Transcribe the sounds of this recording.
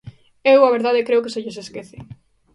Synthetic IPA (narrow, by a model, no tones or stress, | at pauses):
ewaβ̞eɾðað̞ekɾeʊkeseʎeseskeθɪ